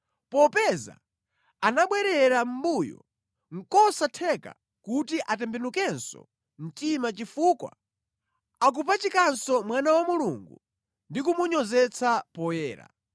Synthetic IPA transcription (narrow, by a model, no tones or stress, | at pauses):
pɔpɛza̰ | anaɓwɛɾɛɾam̩bujɔ̰ | ŋ̩kɔsatʰɛka̰ | kutiʔatɛmbɛnukɛnsɔ̰ | m̩timat͡ʃifuːkwa̰ | ak̬upat͡ʃikansɔmwanawamuluŋɡṵ | ndikumuɲɔzɛt͡sʰapɔjɛːɾa̰